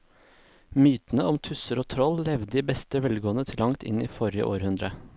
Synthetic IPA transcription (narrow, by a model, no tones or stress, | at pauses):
myːt̪n̩əɔmt̪ʰʉsəɾoːt̪ʰɾɔllɛʋd̪d̪iːbɛst̪əʋɛlɡoːnət̪ʰɪlɑŋt̪ʰɪ̰niːfɔɾɪə̰ʔo̰ːɾhʉnd̪ɾə